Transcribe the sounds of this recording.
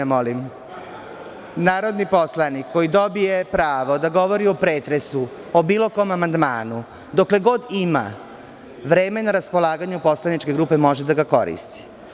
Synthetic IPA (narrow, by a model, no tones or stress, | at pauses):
molim | naːɾo̞d̪nipo̞slˠanikʰːo̞jid̪o̞bije̞pɾaːʋo̞d̪aɡo̞ʋo̞ɾiopɾeːt̪ɾe̞su | obiːlo̞ko̞mamand̪maːnu | d̪o̞kle̞ɡo̞d̪ima̰ | ʋɾe̞ːme̞naɾaspo̞lˠaːɡaɲupo̞slˠanit͡ʃke̞ɡɾuːpe̞mo̞ʒed̪aɡako̞̰ɾḭst̪i̥